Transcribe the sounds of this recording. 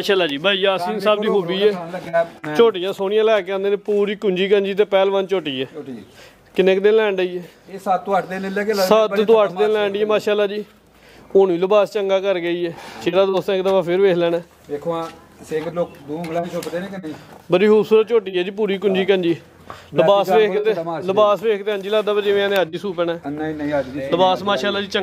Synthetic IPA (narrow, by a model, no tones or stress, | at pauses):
maːʃaːlaːd͡ʒiːbʱaːijaːəsĩːsaːbd̪iːɦoːbiːɛːɡɛːt͡ʃoːʈijãːsoːɽ̃ɪjãːlɛːkɛ̃ːnd̪eːnẽːpuːɾiːkʊɲd͡ʒiːkənd͡ʒiːt̪̬eːpɛːlʋə̃nt͡ʃoːʈiːɛː | kɪnəkd̪eːlɛ̃ːɳɖəiːɛː | esət̪̚t̪ːõːəʈʰd̪eːlelɛːkesət̪t̪õːəʈʰd̪eːlɛːɳɖiːɛːmaːʃaːlːaːd͡ʒiː | ʊnʋiːləbaːst͡ʃəŋɡaːkəɾɡəiːɛːt͡ʃʰeːɾaːd̪oːst̪ːkd̪aːbaːpʰɪɾʋeːkʰlɛːnɛː | deːkʰoãː | sekloːkd̪uːɡlːisʰopd̪eːnẽːkɪnĩbəɾiːɦʊpsuːɾət̪̚t͡ʃoːʈiːɛːd͡ʒiːpuːɾiːkʊnd͡ʒiːkənd͡ʒiː | ləbaːsʋeːk̪eləbaːsʋeːkʰt̪eːɦənd͡ʒiːlaːd̪aːbəɾd͡ʒeːʋãːnẽːad͡ʒd͡ʒiːsuːpɛːnɛːnĩnĩːad͡ʒləbaːsmaːʃaːlaːd͡ʒiːt͡ʃə